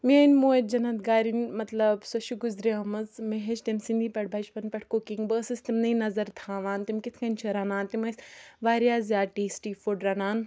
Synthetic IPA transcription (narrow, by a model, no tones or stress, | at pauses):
menmoːet̪̚d͡ʒɐnɐt̪ɡaːɾinʲmɐt̪lɐbsɐʃiɡʊzɾeɐmɐzmeɦeʃt̪ɐnsĩnd̪ʱiːpɐʈʰbʱɐʃpɐnpɐʈʰkokiŋɡbəːsist̪imnɐĩnɐzɐɾt̪ʰãːʋaːnt̪imkit̪ʰkɐnʲt͡ʃʰɐɾaːnaːnt̪imɐsʋaːɾjaːzjaːʈiːsʈiːfuɖɾaːnaːn